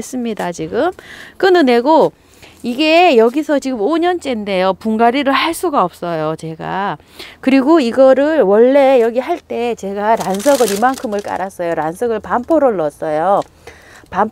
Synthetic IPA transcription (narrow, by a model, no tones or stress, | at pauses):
es͈ɯmɲidat͡ɕiɡɯmk͈ɯnɯne̞ɡo | iɡe̞jʌɡisʰʌt͡ɕiɡɯmoɲʌnt͡ɕ͈e̞nde̞jopuŋɡaɾiɾɯɭhaɭs͈uɡaʌp̚s͈ʌjot͡ɕe̞ɡa̰ | kɯɾiɡoiɡʌɾɯɭwʌɭːe̞jʌɡiɦaɭt͈e̞t͡ɕe̞ɡaɾansʰʌɡɯɾimaŋkʰɯmɯɭk͈a̰ɾas͈ʌjoɾansʰʌɡɯɭpampʰoɾoɭːʌs͈ʌjo | pam